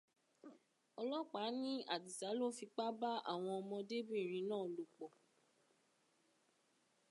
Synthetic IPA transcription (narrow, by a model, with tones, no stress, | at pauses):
ɔ˧lɔ˦k͡paː˨˦nĩ˦a˦˨di˨sa˨˦lo˦fi˧k͡pa˦ba˦a̰˦˨w̃ɔ̃˧ɔ˧mɔ̃˧de˦bĩ˦˨ɾ̃ĩ˨˧˦nãː˦˨lo˨k͡pɔ˨